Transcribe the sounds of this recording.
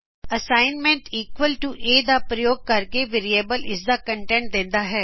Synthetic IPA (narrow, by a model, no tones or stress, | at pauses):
əsaːɪnmɛ̃ːɳʈiːkʋəlʈuːʔeːd̪aːpɾəjoːɡ̚kəɾkeʋeɾieːbəlɪ̰sd̪aːkə̃ɳʈɛ̃ːɳʈ̚d̪ẽːnd̪aːɦɛː